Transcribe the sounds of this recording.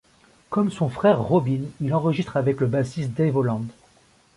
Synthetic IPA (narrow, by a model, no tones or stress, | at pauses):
kɔmsɔ̃fχɛʁːɔbinilɑ̃ʁəʒist̪χavɛkləbasist̪d̪ɛvolɑ̃d̪